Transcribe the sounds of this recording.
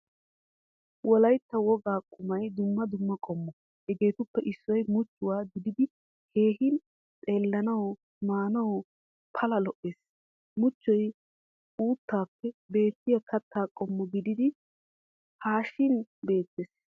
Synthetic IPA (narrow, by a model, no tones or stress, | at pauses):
wɔlɐjt̪ːɐwɔɡaːkʼʊmɐjd̪ʊmːɐd̪ʊmːɐkʼɔmːɔ | hɛɡe̞ːt̪ʊpːɛʔɪsːɔjmʊt͡ʃːʊwaːɡɪd̪ɪd̪ɪ | he̞ːɦɪn | t͡sʼe̞ːlːɐnɐwɔ | maːnɐwɔ | pʰɐlɐlɔʔeːs | mʊt͡ʃːɔj | uːt̪ːaːpːɛbe̞ːt̪ːɪjɐkʰɐt̪ːaːkʼɔmːɔɡɪd̪ɪd̪ɪ | haːʃːɪnbe̞ːt̪ːeːs